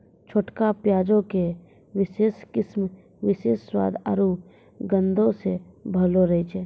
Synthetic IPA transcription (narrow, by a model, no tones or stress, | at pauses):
t͡ʃʰoːʈkapjaːd͡ʒõke | wɪʃeːskɪsm | ʋɪʃḛːsːwa̰ːd̪a̰ɾu | ɡə̃nd̪ʱõsebʱəloɾəet͡ʃʰɛː